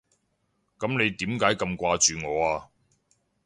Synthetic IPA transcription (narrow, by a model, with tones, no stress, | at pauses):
kɐ˨˥mne˨˧jt̪iː˨˥mkaː˨˥jkɐ˧mkʷaː˧t͡ʃyː˨ŋɔː˨˧aː˧